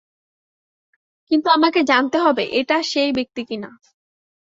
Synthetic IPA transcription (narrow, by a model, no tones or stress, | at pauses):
kint̪uamaked͡ʑant̪eɦɔbeʔeʈaʃejbek̚t̪ikina